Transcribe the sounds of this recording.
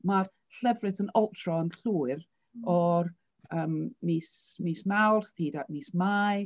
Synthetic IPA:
mar | ɬəvrɨθənɔlˠtʰrɔənɬuːr | ɔr | əːmmiːsmiːsmawrsθiːdaʔmiːsmaj

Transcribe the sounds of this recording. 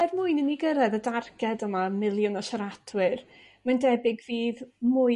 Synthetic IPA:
ɛvmʊɨnəniɡəɾɛðədarɡɛdəmamɪlˠjʊnɔʃaɾadʰwɪr | mandɛbɪɡviːðmʊ

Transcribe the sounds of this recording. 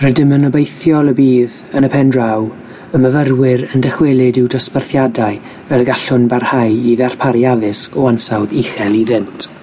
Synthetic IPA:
rɛdɪmənɔbejθjɔlˠəbiːð | ənəpʰɛndraw | əməvərwɪɾəndəχwɛlˠɪdɪwdɔspərθjadaɨ | vɛlɡaɬʊnbarhajiðar̥pʰaɾjaðɪskɔansawðiχɛlˠiðɪntʰ

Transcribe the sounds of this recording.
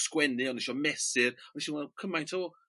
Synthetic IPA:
skwɛnɨɔniʃɔmɛsɪɾɔiʃiwakʰəmajntʰoː

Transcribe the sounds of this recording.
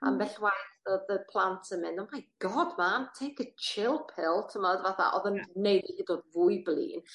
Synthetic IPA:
a̰mvɛɬwajθoðəpʰlˠantʰəmɪnɔmajɡ̥ɔdmantʰejkət͡ʃʰɪlˠpʰɪlˠtʰəmɔdvaθa̰ʔɔðənnejlihidodvʊjblˠḭːn

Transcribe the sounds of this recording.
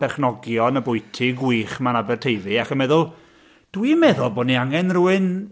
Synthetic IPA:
b̥ɛrχnɔɡjɔnəbʊjtʰɪɡwiːχmanabɛrtʰejðɨaχəmɛðʊlˠ | d̥wimɛðʊlˠboːdniaŋɛnruːɨn

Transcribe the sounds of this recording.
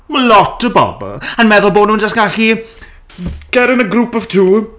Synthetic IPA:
malɔtəbɔ̰bɔ̰lˠənmɛðʊlˠboːdnuːnd͡ʒastɡ̥aɬi | ɡ̥ɛɾənəɡɾuːpɔv̥tʰuː

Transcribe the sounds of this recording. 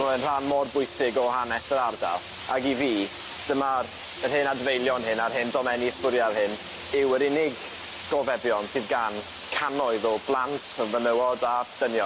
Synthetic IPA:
mɔənr̥anmɔdbʊɨsɪɡɔɦanɛsəɾarda̰lˠ | aɡiviː | d̥əmar | ərhɨnadvejlˠjɔnhɨnarhɨndɔmɛniɪspʊɾjalˠhɪn | ɪwəɾɪnɪɡ | ɡ̥ɔvɛbjɔnsɨːðɡan | kʰanɔɨðɔblˠantʰvənəwɔdad̥ənjɔ

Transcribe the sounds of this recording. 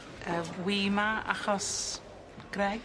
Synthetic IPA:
əːwiːmaa̰χɔs | ɡ̥ɾɛ

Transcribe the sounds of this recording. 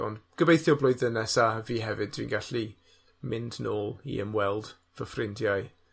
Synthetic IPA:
ɔ̰ndɡ̥əbejθjɔblˠʊɨðənɛsaviːɦɛvɨd̚ʰwḭːnɡaɬi | mɪndnoːlˠḭə̰mwɛlˠd̥ | vəfrɪndjaɨ

